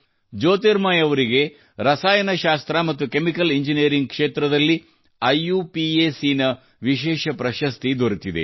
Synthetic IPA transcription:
d͡ʒoːt̪iɾmaːjɐʋɐɾiɡe̞ | ɾɐsaːjɐnɐʃaːst̪ɾɐmɐt̪ːukemikɐliɲd͡ʒinijɐɾiŋɡkʂeːt̪ɾɐd̪ɐlːi | ɐjuːpieːsinɐ | ʋiʃ̬ɛːʃɐpɾɐʃɐst̪id̪oɾit̪id̪ḛ

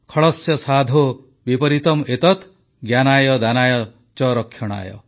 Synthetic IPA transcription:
kʰɔɭɔsjɔsad̪ʱo | bipɔɾit̪ɔmet̪ɔt̪ | ɡjanajɔd̪anajɔ | t͡ʃɔɾɔkʰːjɔɽ̃a̰jɔ̰

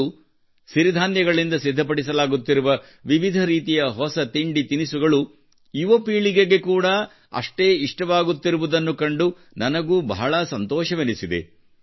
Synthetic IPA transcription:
siɾid̪ʱaːnjɐɡɐɭind̪ɐsid̪ʱːɐp̬ɐɽisɐlaːɡut̪ːiɾuʋɐ | ʋiʋid̪ʱɐɾiːt̪ijɐɦɔsɐt̪iɳɖit̪inisuɡɐɭu | iʋopiːɭiɡeɡe̞kuːɽɐ | ɐ̰ʂʈe̞ːiʂʈɐʋaːɡut̪ːiɾuʋud̪ɐnːukɐɳɖu | nɐnɐɡuːbɐ̰ɦɐɭɐsɐnt̪ɔːʃɐʋenisid̪e̞̰

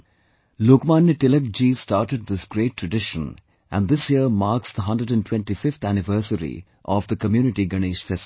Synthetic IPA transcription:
loːkmaːnjəʈɪlək̚d͡ʒisʈaːʈəɖ̚d̪ɪsɡɾeːʈːɾəɖɪʃə̰̃n | ʔæ̰̃nd̪ɪsjiəɾmaːɾksd̪əɦʌ̃nɖəɖæ̃nʈwɛ̃nʈifɪft̪ʰænɪʋəːɾsəɾḭ | ʔɔʋd̪əkəmjuːnɪʈiɡɐñeːʃfɛst

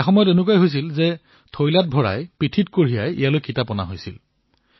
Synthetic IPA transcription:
ɛxɔmɔjɔtenuk̬ajɦojs̬ilzɛ | tʰojlat̚bʱɔɹa̰jpɹitʰitkoɹijajḭjalojkitapɔna̰ɦojsḭl

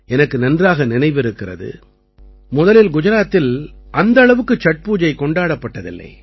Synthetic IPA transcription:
ɛnɐkːɯnɐndraːɣɐnɪnɐɪʋɪɾɯkːɪrɐ̰ðɯ̰ | mʊðɐlɪlɡʊd͡ʒɐɾaːt̪ːɪlʔɐnd̪ɐɭɐʋɯkːɯt͡ʃːɐʈ̚puːd͡ʒɐɪkɔɳɖaːɽɐpːɐʈːɐðɪ̰lːɐ̰ɪ

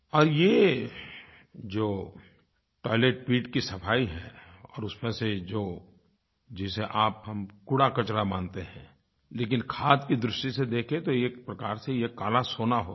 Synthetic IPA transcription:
ɔːɾje | d͡ʒoː | ʈɔːɪleːʈ̚piːʈkisɐpʰaːiɦɛːɔ̰ːɾʊsmẽsed͡ʒoː | d͡ʒɪseʔaːpɦɐmkʊɽakɐt͡ʃɾamaːnt̪eɦɛ̃ː | leːk̬ɪnkʰaːd̪kid̪ɾʊʃʈised̪eːkʰet̪oeːkpɾɐkaːɾsejekaːlasoːnaɦoː

